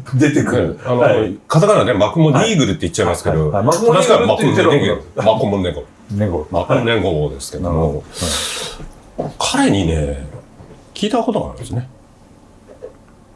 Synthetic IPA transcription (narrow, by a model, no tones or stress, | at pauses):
d̪et̪ekanokazakananemakɯ̟moɾʲiːɡɯ̟ɾɯ̟t̪ːeit͡ɕːt͡ɕaimasɨ̥ked̪oaaɕkamak̪ːeɡomakomoneɡo | makɯneŋɡod̪e̞sɨ̥ke̞d̪omo | kʰaɾe̞ɲ̟ine̞ | kʲiːt̪ako̞t̪oɡa̰ɾɯ̰̃nd̪sne̞